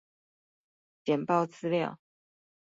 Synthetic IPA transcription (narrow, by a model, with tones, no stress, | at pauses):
t͡ɕjɛ˨˩npɑ˥˧ʊt͡sɹ̩˥ljɑ˥˨ʊ